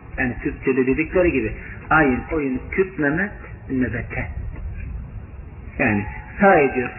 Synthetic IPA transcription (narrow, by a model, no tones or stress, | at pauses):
jaːnikʰyp̚t̪ʰelid̪ed̪icʲlʲeɾiɟibɪajɯnojuncʰypnɛmɛt̪ | nɛbɛt̪ʰɛ | jaːnɪsaːed̪ijoɾ